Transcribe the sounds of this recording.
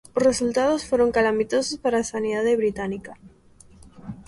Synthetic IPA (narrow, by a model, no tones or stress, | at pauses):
osresult̪að̞osfweɾo̞ŋkalamit̪osospaɾasaniðaðeβɾit̪anika